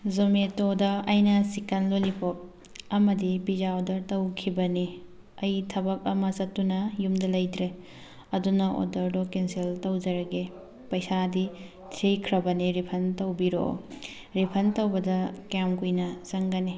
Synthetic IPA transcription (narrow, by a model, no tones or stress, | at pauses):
zometodɐːjnɐsikɐnlolipʰop̚ | ɐmɐdibid͡ʒaodɐɾtɐwkʰibɐni | ɐjtʰɐbɐk̚ɐmɐsɐtːunɐjumdɐlɐjdɾe | ɐdunɐʔo̰dɐɾdokensiltɐwd͡ʒɐɾɐɡe | pɐjsadi | tʰejkʰɾɐbɐniɾipʰɐntɐwbiɾo̰ | ɾipʰɐntɐwbɐdɐkamkujnɐzɐŋɡɐni